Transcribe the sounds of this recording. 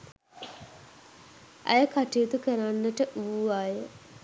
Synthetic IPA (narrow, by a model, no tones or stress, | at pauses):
ʔɐ̰jəkaʈiut̪ukəɾanːəʈəʔuʋaːjə